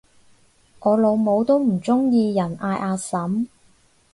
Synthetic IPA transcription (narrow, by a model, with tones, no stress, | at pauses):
ŋɔː˨˧lo˨˧wmo˨˧wt̪o˥wm̩˨˩t͡sʊ˥ŋjiː˧jɐ˨˩nʔaː˧jʔaː˧sɐ˨˥m